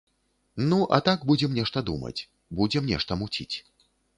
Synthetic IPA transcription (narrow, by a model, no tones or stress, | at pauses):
nuʔɐ̰t̪aɡbud͡zʲɛmnʲɛʂt̪ɐd̪umɐ̰t͡sʲ | bud͡zʲɛmnʲɛ̰ʂt̪ɐmut͡sʲit͡sʲ